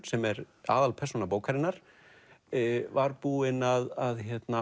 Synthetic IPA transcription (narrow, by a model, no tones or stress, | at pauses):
sɛmɛɾ | a̰ːðalpʰɛɾ̥sunapoːwkʰaɾɪnːaɾ̥ | vaɾpuːɪnaðaðçjɛt̪na